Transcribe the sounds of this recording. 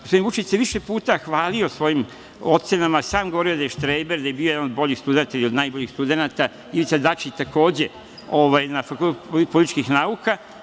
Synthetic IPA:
ɡospod̪invut͡ʃit͡ɕseʋiʃepuːt̪axʋaːlio̞sʋo̞jim | ot̪senamasaːmɡooɾiod̪ajeʃt̪ɾejbeɾd̪ajebiojeanod̪bo̞ʎixst̪ud̪ent̪ailio̞d̪najboʎixst̪ud̪e̞nat̪a | ilit̪sad̪at͡ʃit̪ako̞ːd͡ʑe̞ | o̞ʋajnafakult̪poipolit̪it͡ʃkixnauka

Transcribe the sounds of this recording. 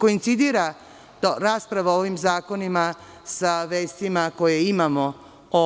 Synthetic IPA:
ko̞int̪sid̪iːɾa | t̪ɾaːspɾaʋaoʋimzaːko̞nima | saʋeːst̪imako̞jeimamo | o

